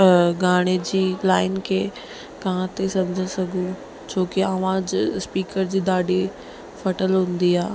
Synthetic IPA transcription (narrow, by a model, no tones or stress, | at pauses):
ɡaːɽ̃ed͡ʑiːlaːɪnkʰeː | kãt̪esɐ̃md͡ʑʱə̃sɐɡʱũ | t͡ɕʰoːkeɐʋãd͡ʑspiːkəɾd͡ʑiːd̪aːɖi | fɐʈəlɦʊ̃n̆d̪iaː